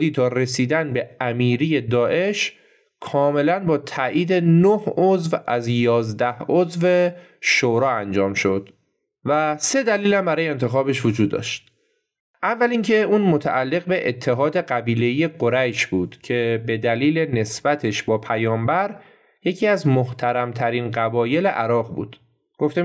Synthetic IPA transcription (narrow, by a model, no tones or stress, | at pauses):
d̪iːt̪ʰɒːre̞siːd̪ænbe̞æmiːɾiːje̞d̪ɒːʔe̞ʃ | kʰɒːme̞lænbɒːt̪ʰæʔiːd̪e̞nohozvæzjɒːzd̪æhozve̞ | ʃoɾɒːænd͡ʒɒːmʃo̞d̪̥ | væse̞d̪æliːlæmbæɾɒːjeent̪ʰe̞xɒːbe̞ʃvo̞d͡ʒuːd̪ːɒ̰ːʃt̪̚ | ʔævːælincʰe̞uːnmo̞t̪ʰæ̰ʔælːe̞ɣbe̞ʔet̪ʰːe̞ɦɒːd̪e̞ɢæbiːle̞ije̞ɡoɾæjʃbuːd̪̥cʰe̞be̞d̪æliːle̞ne̞sb̥æt̪ʰe̞ʃbɒːpʰæjɒːmbæɾ | je̞cʰiːæzmoht̪ʰæɾæmt̪ʰæɾiːnɢæbɒːje̞le̞ʔæɾɒːɣbṵːd̪̥ | ɡ̥o̞ft̪e